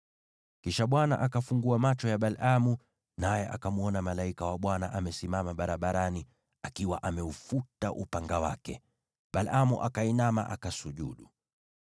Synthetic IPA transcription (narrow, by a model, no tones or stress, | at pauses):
kiʃaɓwana̰ʔakafuŋɡuamat͡ʃɔjaɓalamu | najɛʔa̰kamuɔnamalaikawaɓwanaʔamɛsimamaɓaɾaɓaɾani | akiwa̰ʔamɛufutaʔupaŋɡawa̰kɛ̰ | ɓalamuʔakainama̰ʔa̰kasuʄuɗu